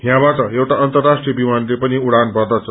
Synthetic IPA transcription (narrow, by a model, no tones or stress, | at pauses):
ɦjãbaʈʌewʈaʌnt̪ʌrːasʈrijʌbimanlepʌniuɽanbʱʌd̪ʌt͡sʰʌ